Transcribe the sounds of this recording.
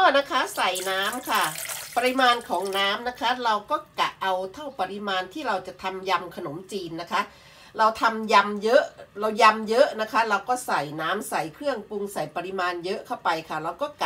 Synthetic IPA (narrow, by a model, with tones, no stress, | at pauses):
kɔː˥˩na˦˥kʰa˦˥sa˨˩jnaː˦˥mkʰa˥˩pa˧ɾi˧˥maː˧nkʰɔː˩˦ŋnaː˦˥mna˦˥kʰa˦˥ɾa˧wkɔː˥˩ka˨˩ʔa˧wt̪ʰa˥˩wpa˧ɾi˧˥maː˧nt̪ʰiː˥˩ɾa˧wt͡ɕa˨˩ʔt̪ʰa˧mja˧mkʰa˧no˩˦mt͡ɕiː˧nːa˦˥kʰa˦˥ | ɾa˧wt̪ʰa˧mja˧mjɤ˦˥ʔɾa˧wja˧mjɤ˦˥ʔna˦˥kʰa˦˥ɾa˧wkɔː˥˩sa˨˩jnaː˦˥msa˨˩jkʰɾɯ˥˩əŋpu˧ŋsa˨˩jpa˧ɾi˧maː˧njɤ˦˥ʔkʰa˥˩wpa˧jkʰa˥˩ɾa˧wkɔː˥˩ka˨